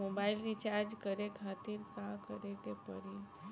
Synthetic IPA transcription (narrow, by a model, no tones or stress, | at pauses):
obaɪlɾit͡ʃaɾd͡ʒkəɾekʰaːt̪iɾkakəɾekepə̰ɾi